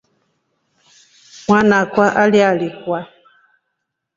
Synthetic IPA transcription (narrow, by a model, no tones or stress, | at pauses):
mwanakwaʔaljalikwa